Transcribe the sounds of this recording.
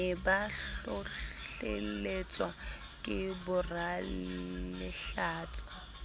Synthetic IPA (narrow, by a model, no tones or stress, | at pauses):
ɪbaʊɬḛlet͡sʼwa | kʼɪbʊra | mɪɬaːt͡sʼa